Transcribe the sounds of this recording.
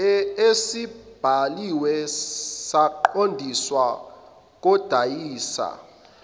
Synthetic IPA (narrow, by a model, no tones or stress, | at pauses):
esib̥ʱaliwɛsaǃondʱiswa | k̬ʼɔd̥ʱajiːsa̰